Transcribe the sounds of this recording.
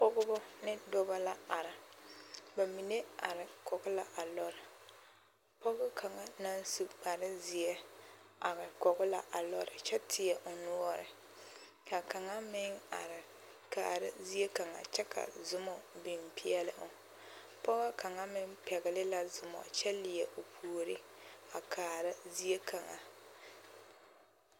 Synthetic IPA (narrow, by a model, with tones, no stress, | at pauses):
pɔ˦ɡʊ˦bʊ˦nɪ˦dɔ˦ba˦la˦a˨ɾɪ˨ | ba˨mi˨ne˦a̰˨ɾɪ˨kɔ˨ɡʊ˦la˨ʔa˨lɔ˦ɾɪ˨ | pɔ˦ɣʊ˦kʰa˨ŋa˦na˦n˦su˨k͡pa˨ɾɪ˦zɪ˨ɛ˦a˨ɾɪ˨kɔ˨ɡʊ˦la̰˨ʔa˨lɔ˦ɾɪ̰˨t͡ʃɛ˦tʰɪ˨ɛ˨ʔʊ˨nu˦ɔ˦ɾɪ̰˨ | ka˨ka˨ŋa˦mɪ˦ŋa̰˨ɾɪ˨ | ka̰ː˨ɾa̰˦zi˦e˦ka˨ŋa̰˨t͡ʃɛ˦kʰa̰˨zʊ˦mɔ˨bɪ˨mpʰi˦ɛ˦lɪ˦ʔʊ˨ | pɔ˦ɣa˦ka˨ŋa˦mɪ˦ŋpɛ˨ɣɪ˨lɪ˦la˦zʊ˨mɔ̰˨t͡ʃɛ˦lɪ˨ɛ˨ʔo˨pʰu˨o˨ɾɪ˦a˨kʰaː˨ɾa˦zi˦e˦kʰa˨ŋa̰˨